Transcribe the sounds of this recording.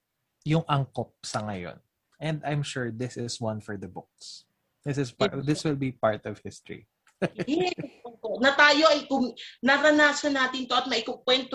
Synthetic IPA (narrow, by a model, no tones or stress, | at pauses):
jʊŋʔɐŋkop̚sɐŋɐjo̰n | ʔɛ̃nd̪ajmʃuɹd̪ɪsɪswɐ̃nfɔɹd̪ɐbʊk̚s | d̪ɪsɪspd̪ɪswɪlbipaɹt̪ɔvhɪst̪ɹḭ | ɛoonɐt̪aːjo̞ʔɐjkʊŋnɐɾɐnaːsɐnaːt̪ɪnt̪o̞ʔɐt̪̚mɐʔɪkok̚wɛnt̪o